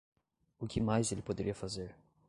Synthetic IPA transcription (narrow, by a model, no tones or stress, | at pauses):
ʊkɪmajzelɪpod̪eɾiɐfazeɾ